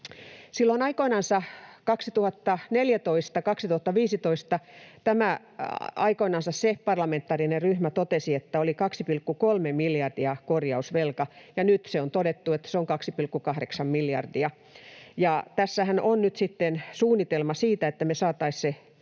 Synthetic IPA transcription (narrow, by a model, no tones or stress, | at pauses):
silːoinɑikoinɑnsɑkɑksit̪uhɑt̪ːɑneljæt̪oist̪ɑkɑksit̪uhɑt̪ːɑʋiːsit̪oist̪ɑt̪æmæ | ɑikoinɑnsɑssepɑrlɑment̪ːˑɑːrinerryhmæt̪ot̪esiet̪ːæolikɑksipilkːukolmemiljɑrdiɑkorjɑusʋelkɑjɑnyt̪seont̪odet̪ːuet̪ːæ̥seoŋkɑksipilkːukɑhɾeksɑmmiljɑ̰rdiɑ | jɑt̪æsːæhænʔonnyt̪sit̪ːensuːnːit̪elmɑsiːt̪æet̪ːæmesɑːt̪ɑisse